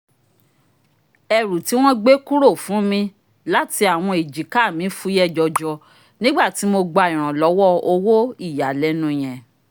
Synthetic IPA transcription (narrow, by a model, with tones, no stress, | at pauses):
ɛ˨ɾu˨ti˨˦w̃ɔ̃˦ɡ͡be˦ku˦ɾo˦˨fũ˨˦mĩ˧ | la˨˦ti˧a˨w̃ɔ̃˧e˨d͡ʒi˨˦ka˦˨mĩ˨˦fu˦jɛ˦˨d͡ʒɔ˨d͡ʒɔ˧ | nĩ˦ɡ͡ba˦˨ti˨˦mo˧ɡ͡ba˧i˨ɾ̃ã˨lɔ˨˦wɔ˦˨o˧wo˦i˦˨ja˨lɛ˨˦nũ˧˨j̃ɛ̃˨